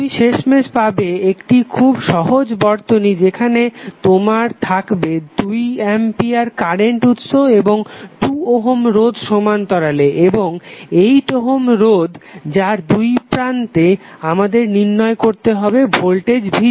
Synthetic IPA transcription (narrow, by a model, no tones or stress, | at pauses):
umiʃeʃmeʃpabeekʈikʰubʃɔɦod͡ʑbɔɾt̪onid͡ʑekʰanet̪omaɾt̪ʰakbed̪ujɛmpiaɾkaɾeɳʈut̪ʃoeboŋʈuoɦomɾod̪ʱʃomant̪ɔɾaleʔeboŋejʈ̪oɦomɾod̪d͡ʑaɾd̪ujpɾant̪eamad̪eɾniɾnɔekoɾt̪eɦɔbebʱolʈed͡ʑbʱi